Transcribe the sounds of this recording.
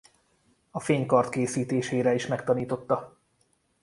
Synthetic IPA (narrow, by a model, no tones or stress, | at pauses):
ɒfeːɲkɒrt̪keːsiːt̪eːʃeːɾɛiʃmɛkt̪ɒniːt̪o̞t̪ːɒ